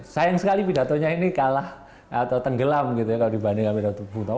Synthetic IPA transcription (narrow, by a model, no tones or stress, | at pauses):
sajaŋsəkalipida̤t̪oɲainikalah | ʔat̪awt̪əŋɡəlamɡit̪ujakaladibanekamidat̪ubut̪a